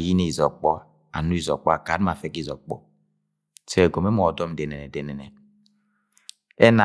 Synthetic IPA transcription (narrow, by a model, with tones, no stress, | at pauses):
ji˦ne˦i˨zɔ˨k͡pɔ˦ | a̰˨nu˦i˦˨zɔ˨k͡pɔ˦a˨ka˨˦ma˨fe˦ki˦zɔ˨k͡pɔ̰˦ | se˦˨ɡo˨me˦mɔ˨dɔ˦m˨de˨nɛ˨e˨de˨nɛ˨nɛ˨ | ɛ˦na˨